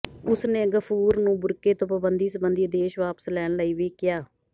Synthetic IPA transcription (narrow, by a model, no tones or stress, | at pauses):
ʊsnẽːɡəpʰuːɾnũːbʊɾkeːt̪õːpəbənd̪iːsəbənd̪iːd̪eːʃʋaːpə̥slɛːɳləiːʋiːkɪjaː